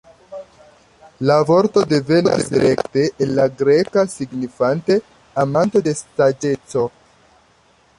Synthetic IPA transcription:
lavo̞ɾt̪o̞de̞ve̞nodiseɾekte̞ʔːnlaɡɾekasiɡnifante̞ | amanto̞de̞stad͡ʒe̞t͡so̞

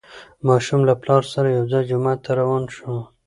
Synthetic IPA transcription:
mɑʃumlaplɑɾsaɾajawzɑjd͡ʒʊmat̪aɾawɑnʃu

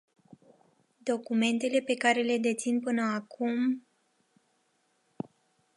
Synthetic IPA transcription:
d̪o̞kume̞nt̪e̞le̞pe̞kaɾe̞le̞d̪e̞t̪sinpɨnəakum

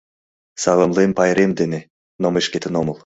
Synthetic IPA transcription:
sɑlˠɤmlˠempɑjɾemd̪ene | nomeʃkʲet̪ʰɘnomɤlˠ

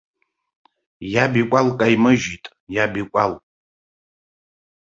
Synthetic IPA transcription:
jabikʷʼalkʼajmɨʒitʼ | jabikʷʼal

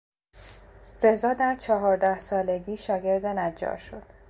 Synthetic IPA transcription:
ɾe̞zɒːd̪æɾt͡ʃʰɒɦɒːɾd̪æhsɒːle̞ɡiːʃɒːɡe̞ɾd̪enæd͡ʒːɒ̰ːɾʃo̞d̪̥

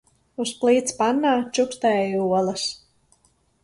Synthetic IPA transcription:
usplˠiːt̪spanːaːt͡ʃukst̪ɛjuɔlˠɐs

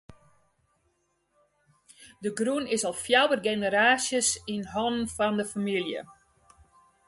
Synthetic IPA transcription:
dəɡrunɪsɔlˠfjawərɡenəɾaːsjəsinɦɔnnfɔndəfamilˠjə̰

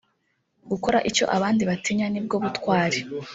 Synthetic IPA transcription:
ɡuko̞ɾaʔico̞̰ʔaβaːndiβatiɲanib̚ɡo̞βutkwaːɾe

